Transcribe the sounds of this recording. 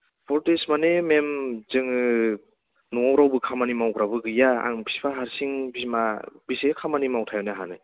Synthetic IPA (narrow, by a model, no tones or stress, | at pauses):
pʰɔɾtesmanememzɯŋɯ | nuawɾawbɯkʰamanimawɡɾabɯɡɯjaa̰ŋpʰi̥spʰaɦaɾsiŋbismabisekʰamanimawtʰajɔneaɦanɯ